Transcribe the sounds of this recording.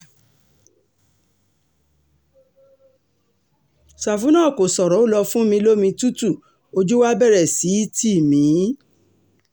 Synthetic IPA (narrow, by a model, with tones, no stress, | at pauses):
sa˨fu˨˦nã˦˨ko˨sɔ˨ɾɔ˨˦o˦˨lɔ˧fũ˦mĩ˧lo˦mĩ˧tu˦tu˦˨ | o˧d͡ʒu˦wa˦bɛ˦˨ɾɛ˨si˨˦ti˦˨mĩ˨˦